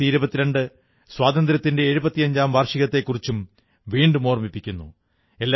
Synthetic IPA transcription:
iiɾubɐt̪ːiɾeɳɖɨ | swaːd̪ɐnd̪ɾɐt̪ːinde̞ːɻubɐt̪ːijɐɲd͡ʑaːmʋɐːrʂiɣɐt̪ːe̞kːurit͡ɕːum | ʋiːɳɖɨmo̞ːrmipːikʲːunːṵ | e̞lː

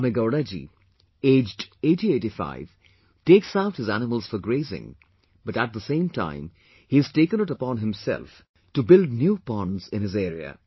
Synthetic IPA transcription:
mɨɡaʊɾad͡ʒḭ | eːd͡ʒdeːʈieːɾifa̰ɪv̥ | teːksaʊt̚hɨzænɪməlˠz̥fɔɾɡɾeɪzɪ̰̃ŋ | b̥ʌʈæt̚d̪əsẽɪ̃mtʰã̰ɪ̃m | hiɨz̥teːkə̃nɪʈəpɔ̃nɦɪ̃msɛ̰lˠf | tubɪld̚njuːpɑ̃nzɪ̃nɨzeːɾiə̰

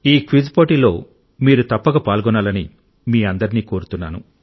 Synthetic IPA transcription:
iːkʋid͡ʒpoːʈilo̞̰ː | miːɾut̪ɐpːɐɡɐpaːlɡɔnaːlɐni | miːɐnd̪ɐɾiniːko̞ːɾut̪unːaːnṵ

